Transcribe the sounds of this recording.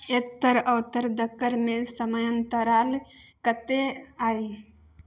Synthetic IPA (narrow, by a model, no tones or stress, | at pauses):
et̪ːəɾəʋt̪əɾd̪əkːəɾmẽsəməjə̃nt̪əɾaːlkət̪eaːi